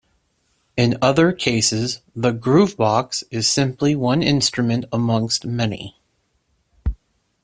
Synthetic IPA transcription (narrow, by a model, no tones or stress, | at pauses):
ɨ̃nʌðə˞kʰeɪsɪzðəɡɹʉvbɑksɨz̥sɪ̃mpliwʌ̃nɪ̰̃nstɹ̥ɨmɨ̃ntəmʌ̃ŋkst̚mɛnḭ